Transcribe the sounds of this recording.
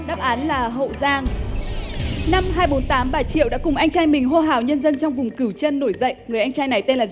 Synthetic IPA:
ɗaː˦˥p̚ʔaː˨˦nlaː˨˩ɦə̰˧˨wzaː˧ŋ | na˧mɦaː˧jɓo˨˦nt̪aː˨˦mɓaː˨˩t͡ɕḭ˧˨əwɗa̰˧˥kʊ˨˩ŋ͡mʔa˧jŋ̟t͡ɕaː˧jmï˨˩ŋ̟ɦo˧ɦaː˨˩wɲə˧nzə˧nt͡ɕɔ˧wŋ͡mvʊ˨˩ŋ͡mkɨ˧˩wt͡ɕə˧nːo˧˩jzə̰˧˨jŋɨ˨˩əjʔa˧jŋ̟t͡ɕaː˧jna˨˩jt̪e˧nlaː˨˩

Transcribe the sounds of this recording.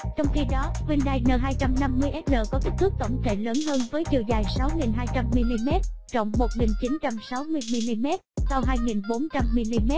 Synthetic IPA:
t͡ɕɔ˧wŋ͡mxi˧ɗɔ˨˦kwi˧nɗaː˧jnəː˧˩ɦaː˧jt͡ɕa˧mna˧mːɨ˧əjʔɛ˦˥t̚ləː˧˨˩kɔ˨˦ki˦˥k̚t̪ʰɨ˦˥k̚t̪ə̰˧˩wŋ͡mt̪ʰe˧˩ləː˨˦nɦəː˧nvəː˨˦jt͡ɕḭ˨˧˩əwzaː˨˩jsa˨˦wŋi˨˩nɦaː˧jt͡ɕa˧mːi˧li˧mɛ˦˥t̚t͡ɕɔ̰˧˨wŋ͡mːo˨˩t̚ŋi˨˩nt͡ɕi˨˦nt͡ɕa˧msa˨˦wmɨ˧əjmi˧li˧mɛ˦˥t̚sa˧wɦaː˧jŋi˨˩nɓo˨˦nt͡ɕa˧mːi˧li˧mɛ˦˥t̚

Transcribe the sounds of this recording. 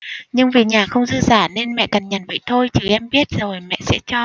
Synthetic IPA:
ɲɨ˧ŋvi˨˩ɲaː˨˩xə˧wŋ͡mzɨ̰˧˥zaː˧˩ne˧nmɛ̰˧˨ka˨˩nɲə̰˨˩nvə̰˧˨jt̪ʰo˧jt͡ɕi˨˩ʔɛ˧mɓi˦˥ət̚zo˨˩jmɛ̰˧˨sɛ̰˧˥t͡ɕɔ˧

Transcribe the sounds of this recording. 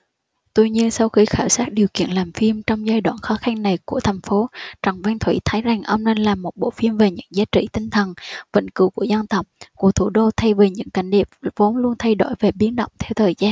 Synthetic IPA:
t̪u˧ɲi˧ənsa˧wxi˧xaː˧˩wsaː˦˥t̚ɗi˨˩əwkḭ˧˨ənlaː˨˩mfi˧əmt͡ɕɔ˧wŋ͡mzaː˧jɗwaː˧˩nxɔ˨˦xa˧ŋna˨˩jku˧˩ət̪ʰa˨˩jŋ̟fo˨˦t͡ɕə˨˩ŋva˧ŋt̪ʰwḭ˧˥t̪ʰə˨˦jza˨˩ŋʔə˧wŋ͡mne˧nlaː˨˩mːo˨˩t̚ɓo̰˧˨fi˧əmve˨˩ɲɨ̰˧˥ŋzaː˨˦t͡ɕḭ˧˩t̪ï˧ŋ̟t̪ʰə˨˩nvə̰˧˥˩ŋkɨ̰˧˥ku˧˩əza˧nt̪ə˨˩wk͡p̚ku˧˩ət̪ʰu˧˩ɗo˧t̪ʰa˧jve˨˩ɲɨ̰˧˥ŋka˧˩jŋ̟ɗi˨˩p̚vo˨˦nlu˧ənt̪ʰa˧jɗo˧˩jve˨˩ɓi˨˦ənɗə̰˧˨wŋ͡mt̪ʰɛ˧wt̪ʰəː˨˩jzaː˧n

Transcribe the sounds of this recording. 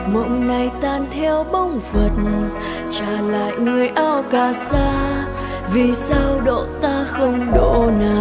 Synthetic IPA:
mo̰˧˨ŋ͡mna˨˩jt̪aː˧˩nt̪ʰɛ˧wɓə˧wŋ͡mfə˨˩t̚n | t͡ɕaː˧˩la̰ː˧˨jŋɨ˨˩əjʔaː˧wkaː˨˧˩saː˧ | vi˨˩saː˧wɗo̰˧˨t̪aː˧xə˧wŋ͡mɗo̰˧˨ɲaː˨˩

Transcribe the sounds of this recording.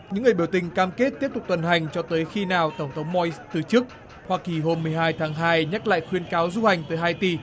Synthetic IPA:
ɲɨ̰˧˥ŋɨ˨˩əjɓi˧˩əwt̪ï˨˩ŋ̟kaː˧mke˦˥t̚t̪i˦˥əp̚t̪ʊ˨˩k͡p̚t̪ə˨˩nɦa˨˩jŋ̟t͡ɕɔ˧t̪əː˨˦jxi˧naː˨˩wt̪ə˧˩wŋ͡mt̪ʰə˨˦wŋ͡mmɔ˧st̪ɨ˨˩t͡ɕɨ˦˥k̚ | hwaː˧ki˨˩ɦo˧mːɨ˨˩əjɦaː˧jt̪ʰaː˨˦ŋɦaː˧jɲa˦˥t̚la̰ː˧˨jxwi˧ənkaː˨˦wzu˧ha˨˩jŋ̟t̪əː˨˦jɦaː˧jt̪i˧˩

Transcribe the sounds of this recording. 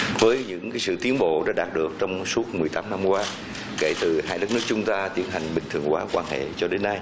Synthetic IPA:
vəː˨˦jɲɨ̰˧˥ŋkaː˨˦jsɨ̰˧˨t̪i˨˦ənɓo̰˧˨ɗa̰ː˧˥ɗaː˨˩t̚ɗɨ˨˩ək̚t͡ɕɔ˧wŋ͡msu˦˥ət̚mɨ˨˩jt̪aː˨˦mna˧mkwaː˧ | ke˧˩t̪ɨ˨˩haː˧jɗə˦˥k̚nɨ˦˥ək̚t͡ɕʊ˨˦ŋ͡mt̪aː˧t̪i˦ənɦa˨˩jŋ̟ɓï˨˩ŋ̟t̪ʰɨ˨˩əŋkwaː˨˦kwaː˧nhḛ˧˨t͡ɕɔ˧ɗe˨˦nːa˧j

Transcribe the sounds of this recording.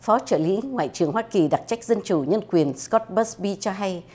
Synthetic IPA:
fɔ˨˦t͡ɕəː˧˩lḭ˨˦ŋwa̰ː˧˨jt͡ɕɨ˨˩əŋhwaː˧ki˨˩ɗa˨˩t̚t͡ɕa˦˥jk̟̚zə˧nt͡ɕu˧˩ɲə˧nkwi˨˩ənskɔ˦˥t̚ɓə˦˥sɓi˧t͡ɕɔ˧ɦa˧j

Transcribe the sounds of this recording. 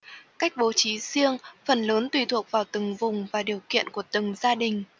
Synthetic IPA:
ka˦˥jk̟̚ɓo˨˦t͡ɕi˨˦zi˧əŋfə˨˩nləː˨˦nt̪wi˨˩t̪ʰu˨˩ək̚vaː˨˩wt̪ɨ˨˩ŋvʊ˨˩ŋ͡mvaː˨˩ɗi˨˩əwkḭ˧˨ənku˧˩ət̪ɨ˨˩ŋzaː˧ɗï˨˩ŋ̟

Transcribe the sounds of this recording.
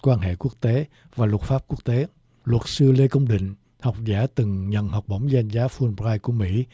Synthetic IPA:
kwaː˧nɦḛ˧˨ku˦˥ək̚t̪e˨˦ | vaː˨˩lt̚faː˦˥p̚ku˦˥ək̚t̪e˨˦ | lwə˨˩t̚sɨ˧le˧kə˧wŋ͡mɗḭ̈˧˨ŋ̟ | ha˨˩wk͡p̚zaː˧˩t̪ɨ˨˩ŋɲə̰˧˨nha˨˩wk͡p̚ɓə˧˩wŋ͡mza˧jnzaː˨˦fu˧nɹaː˧jku˧˩əmḭ˧˥

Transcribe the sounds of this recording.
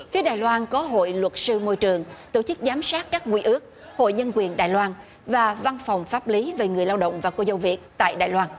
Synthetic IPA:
fi˨˦əɗaː˨˩jlwaː˧nkɔ˨˦ɦo̰˧˨jlwə˨˩t̚sɨ˧mo˧jt͡ɕɨ˨˩əŋt̪o̰˧˩t͡ɕɨ˦˥k̚zaː˨˦msaː˦˥t̚kaː˦˥k̚ŋwi˧ʔɨ˦˥ək̚ | ho̰˧˨jɲə˧nkwi˨˩ənɗa̰ː˧˨jlwaː˧n | vaː˨˩va˧nfɔ˨˩wŋ͡mfaː˦˥p̚li˨˦ve˨˩ŋɨ˨˩əjlaː˧wɗə̰˧˨wŋ͡mvaː˨˩ko˧zə˨˧˩wvi˨˩ət̚t̪a̰ː˧˨jɗa̰ː˧˨jlwaː˧n

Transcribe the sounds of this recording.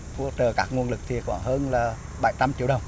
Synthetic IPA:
fṵ˧˥t͡ɕəː˨˩kaː˦˥k̚ŋu˧ənlɨ˨˩k̚t̪ʰi˨˩kɔ˧˩˦ɦəː˧nlaː˨˩ | ɓa˧˩˦jt͡ɕa˧mt͡ɕi˧˨əwɗə˨˩wŋ͡m

